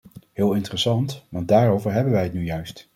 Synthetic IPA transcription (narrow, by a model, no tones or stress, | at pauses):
ɦɪːlˠɪntərɛsɑntʋɑnd̚daːrowvəɹɦɛbənʋɛjɦətnyjœɥst